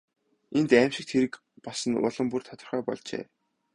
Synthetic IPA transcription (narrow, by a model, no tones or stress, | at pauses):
ent̪æːmʃɪ̆k̚t̪xʰeɾɘ̆k | pɔsə̆nʊ̰ɮə̆mpurt̪ʰɔ̥t̪ə̆rχœːpɔ̰ɮt͡ɕḛː